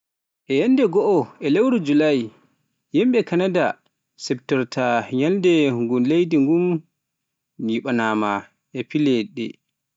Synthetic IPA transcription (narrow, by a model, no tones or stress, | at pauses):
ʔɛjandɛɡɔʔɔɛlewɾud͡ʒulaj | jimɓɛkanada | sɛp̚tɔɾtʰaɲaldɛŋɡumlejdiŋɡum | jiɓanama | ʔɛpilɛɗɛ̰